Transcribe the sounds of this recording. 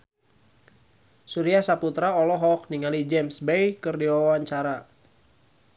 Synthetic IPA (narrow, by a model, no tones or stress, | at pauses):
suɾiasaput̪ɾaɔlɔɦɔk̚niŋalid͡ʒɛmsbejkɨrdiwawaɲt͡ʃaɾa